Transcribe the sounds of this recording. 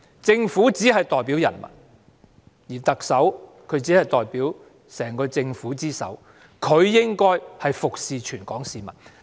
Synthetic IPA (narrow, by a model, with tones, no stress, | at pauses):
t͡sɪ˧ŋfuː˨˥t͡siː˨˥hɐ˨jt̪ɔː˨˩jpi˨˥wjɐ˨˩nmɐ̰˨˩n | jiː˨˩t̪ɐ˨k̚sɐ˨˥w | kʰɵ˨˧ɥt͡siː˨˥hɐ˨jt̪ɔː˨˩jpiː˨˥w | sɛː˨˩ŋkɔː˧t͡sɪ˧ŋfuː˨˥t͡siː˥sɐ̰˨˥w | kʰɵ˨˧ɥjɪ˥ŋkɔː˥jhɐ˨jfʊ˨k̚siː˨˧t͡ʃʰyː˨˩nkɔ̰ː˨˥ŋsiː˨mɐ˨t̚